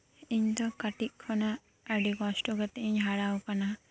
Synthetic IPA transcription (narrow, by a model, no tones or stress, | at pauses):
iɲd̪ɔkaʈiʔ̚ˀkʰɔna | əɖikɔsʈɔɡɛt̪ɛʔiɲɦaɽawkana